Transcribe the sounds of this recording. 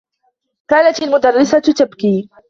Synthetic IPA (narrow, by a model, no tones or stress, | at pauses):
kaːnat̪almʊd̪ɑrˤːɪsat̪abkiː